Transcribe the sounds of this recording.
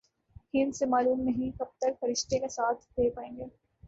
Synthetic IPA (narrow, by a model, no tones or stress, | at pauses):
hiːnsemaːluːmnɐɦĩkɐb̚t̪əɾfɐɾɪʃʈ̪ʰekesaːt̪ʰd̪eːpaːẽːŋɡeː